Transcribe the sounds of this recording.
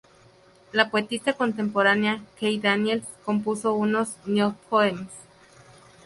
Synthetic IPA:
lapoet̪ist̪akont̪empoɾaneakejd̪anjelkomp̬usounosnjopʰoemes

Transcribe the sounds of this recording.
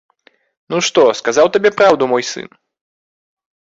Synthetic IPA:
nuʂt̪ɔskazawt̪abʲɛpɾawd̪umɔjsɨ̰n

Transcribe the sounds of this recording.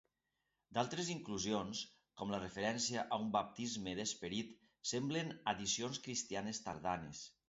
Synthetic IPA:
d̪alˠt̪ɾeziŋkluzions | kɔmlərefeɾɛnsiaʔaumbap̚t̪izmeðespeɾit̪ | sɛmblenaðisionskɾist̪ianest̪a̰ɾðanes

